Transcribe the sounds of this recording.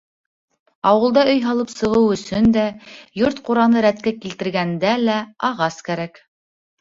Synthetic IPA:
ɑwɤ̆lˠd̪ɑɵ̆jɦɑlˠɤpsɤ̆ʁɤwɵ̆sɵnd̪æjoɾt̪quɾɑnɤɾæt̪̚kækilt̪ɘ̆ɾɡænd̪ælæɑʁɑskæɾæk

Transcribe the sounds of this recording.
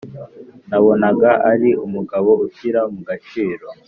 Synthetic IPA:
naβo̞naɡaaɾiumuɡaβo̞uçiɾamuɡat͡ʃiːɾo

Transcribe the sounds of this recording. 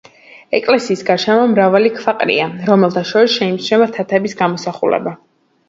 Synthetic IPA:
ɛkʼlɛsiːsɡaɾʃɛmamɾavalikʰfaqʼɾḭaɾɔmɛlˠt̪ʰaʃɔɾisʃɛimt͡ʃʰnɛvat̪ʰat̪ʰɛbisɡamɔsaχṵlɛ̰ba

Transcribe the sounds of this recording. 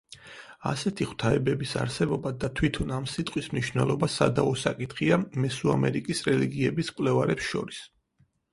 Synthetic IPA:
a̰sɛt̪ʰiχwt̪ʰaɛbɛbisa̰ɾsɛbɔbad̪at̪ʰwit̪ʰɔnamsit̪ʼqʼwismniʃwnɛlˠɔbasa̰d̪aɔsakʼit̪ʰχiamɛsua̰mɛɾikʼisɾɛliɡiɛbiskʼwlɛvaɾɛpsʃɔ̰ɾis

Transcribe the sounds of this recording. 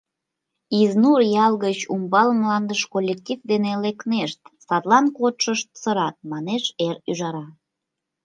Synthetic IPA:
iznurjɑlɣət͡ɕumbɑləmlɑnd̪əʃkolʲːek̚tʲifd̪enelekneʃt̪sɑt̪lɑnkot̪ʃəʃt̪̚səɾɑt̪̚mɑneʃeɾyʒɑɾɑ

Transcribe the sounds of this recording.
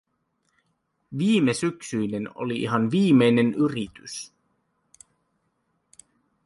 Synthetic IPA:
ʋiːme̞syksyjne̞no̰liʔḭɦɑnʋiːmːe̞jne̞nyrit̪ys

